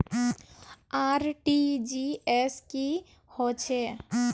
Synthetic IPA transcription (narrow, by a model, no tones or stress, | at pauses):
aɾʈid͡ʒieski | hot͡ʃʰe